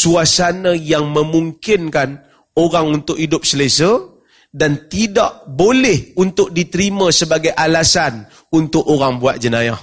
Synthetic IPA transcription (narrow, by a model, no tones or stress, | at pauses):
suasanajaŋməmuŋkɪnkan | oɾaŋunt̪ʊkidʊp̚səlesə | dant̪idaʔbolɛhunt̪ʊk̚dit̪əɾimãsəbaɡajʔalasan | unt̪ʊkoɾaŋbuat̪̚d͡ʒənaja